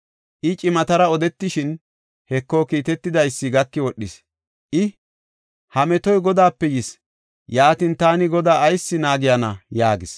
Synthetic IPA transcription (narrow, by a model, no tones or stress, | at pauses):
ʔɪt͡ʃʼɪmɐt̪ɐɾɐɔd̪ɛt̪ːɪʃɪn | hɛkːoːkiːt̪ɛt̪ːɪd̪ɐjsːɪɡɐkːɪwɔɗːɪs | ʔɪ | hɐmɛt̪ɔjɡɔd̪aːpːɛjɪs | jaːt̪ɪnt̪aːnɪɡɔd̪aːjsːɪnaːɡɪjɐnɐjaːɡɪs